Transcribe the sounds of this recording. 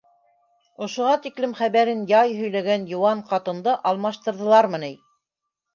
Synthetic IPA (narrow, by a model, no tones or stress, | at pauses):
ŏʃŏʁɑt̪iklɘmχæβæɾɘnjɑjɦɵ̆jlæɡænjŏwɑɴqɑt̪ɤ̆nd̪ɤʔɑlˠmɑʃt̪ɤ̆ɾðɤ̆lˠɑɾmɤnæj